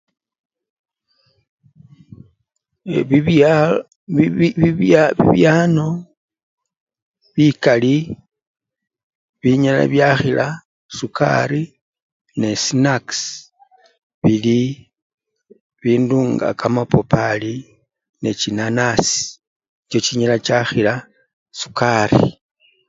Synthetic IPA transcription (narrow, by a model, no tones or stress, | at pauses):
βḭβjaːno̞ | βikali | βiɲala̰βjaxila | suka̰ɾi | ne̞sinaks | βili | βiːnduːŋɡa̰kamapopali | ne̞t͡ʃinanasi̥ | t͡ʃot͡ʃiɲalat͡ʃaxila | su̥karḭ